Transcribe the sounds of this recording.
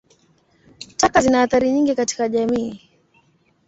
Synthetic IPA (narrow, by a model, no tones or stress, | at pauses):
takazinahaθaɾiɲiŋɡikati̥kaʄamiː